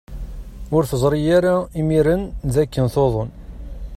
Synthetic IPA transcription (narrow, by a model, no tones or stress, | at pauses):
ʊɾθəzˤɾˤijaɾaimiɾənðækːənθoðˤon